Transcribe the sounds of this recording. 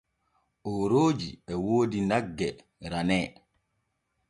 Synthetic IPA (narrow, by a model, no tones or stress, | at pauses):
ʔɔɾoːd͡ʒḭɛwoːdinaɡːɛ | ɾanɛː